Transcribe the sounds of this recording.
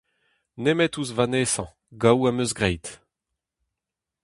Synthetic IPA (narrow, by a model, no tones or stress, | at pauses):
nemɛtuzvaneːsɑ̃ | ɡawamøzɡʁɛjt̪